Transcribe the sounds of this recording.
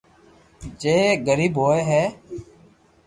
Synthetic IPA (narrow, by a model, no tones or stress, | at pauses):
d͡ʒeːɡəɾiːbɦoːeːɦɛː